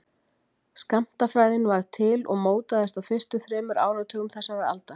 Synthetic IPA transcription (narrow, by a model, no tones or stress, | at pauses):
skam̥t̪afɾaːjðɪnvaɾt̪ʰɪlɔɣmoːwt̪aðɛst̪awfɪst̪ʏθɾɛːmʏɾa̰ːwɾawt̪ʰœːɣʏmθɛsːavaɾa̰lt̪a